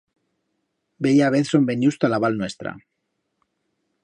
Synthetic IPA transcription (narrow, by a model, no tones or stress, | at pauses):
bejaβeθsombe̞ɲust̪alaβalnwe̞st̪ɾa̰